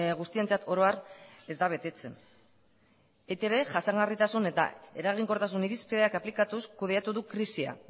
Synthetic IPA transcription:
ɣust̪ie̞nt͡sat̪ʰo̞ɾo̞are̞zd̪aβ̞e̞t̪e̞t͡se̞n | et̪e̞βe̞ʝasaŋɣarit̪asune̞t̪a̰e̞ɾaɣ̞iŋko̞ɾt̪asuniɾispeðe̞akaplikat̪uskuð̞e̞at̪uðukɾisia̰

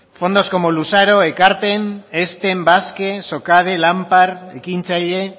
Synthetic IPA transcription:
fo̞nd̪o̞skomolusaɾo̞e̞kaɾpe̞ne̞st̪e̞mbaske̞so̞kað̞e̞lampaɾe̞̰kint͡saʎe̞

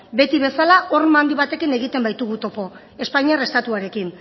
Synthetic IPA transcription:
be̞t̪iβe̞salaʔo̞ɾmand̪iβat̪e̞kine̞ɣ̞it̪e̞mbajt̪uɣut̪o̞po̞ | e̞spaɲiare̞st̪at̪uaɾe̞kin

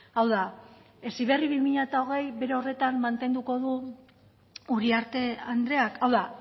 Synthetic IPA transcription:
awða | e̞siβ̞e̞riβimiʎat̪ao̞ɣ̞e̞jβe̞ɾe̞o̞re̞t̪anmant̪e̞nd̪uko̞ð̞u | uɾiaɾt̪e̞and̪ɾe̞akawða

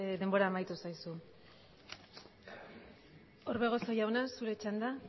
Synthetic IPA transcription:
d̪e̞mbo̞ɾaːmajt̪usajsu | oɾβe̞ɣ̞o̞sojawnasuɾe̞t͡ʃand̪a

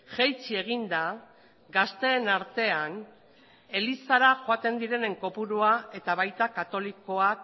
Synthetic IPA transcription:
ʝejt͡sie̞ɣ̞ind̪a | ɡast̪e̞ːnaɾt̪e̞aŋ | e̞lisaɾaʝoat̪e̞nd̪iɾe̞ne̞ŋko̞puɾuae̞t̪aβajt̪akat̪o̞liko̞ak

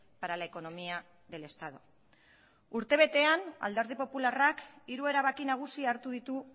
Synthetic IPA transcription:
paɾalaeko̞no̞mia | ðe̞le̞st̪að̞o̞̰ | uɾt̪e̞β̞e̞t̪e̞ana̰ld̪eɾðipo̞pularakiɾue̞ɾaβakinaɣ̞usiaːɾt̪uðit̪u

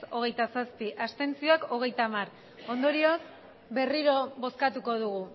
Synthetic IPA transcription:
so̞ɣ̞e̞jt̪asaspiʔast̪e̞nt͡sioako̞ɣ̞e̞jt̪amar | o̞nd̪o̞ɾio̞s | be̞riɾo̞βo̞skat̪uko̞ð̞uɣu

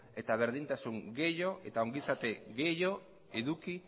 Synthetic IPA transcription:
e̞t̪aβ̞eɾðint̪asuŋɡeʎo̞ʔet̪aoŋɡisat̪eɣejo | eðuki

